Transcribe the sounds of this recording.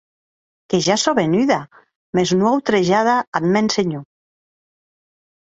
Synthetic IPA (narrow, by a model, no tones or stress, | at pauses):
keʒasoβenyða | meznwawt̪ɾeʒaðaad̪menseɲu